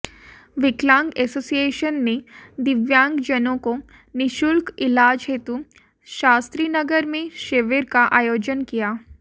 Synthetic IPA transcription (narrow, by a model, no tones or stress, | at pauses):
ʋɪklãːŋɡɛːsoːsieːʃənːed̪ɪʋjãːŋɡd͡ʒənõko | nɪʃʊlkɪlaːd͡ʒɦeːt̪u | ʃaːst̪ɾiːnɐɡəɾmẽʃeːʋeɾkaʔaːjoːd͡ʒənkijaː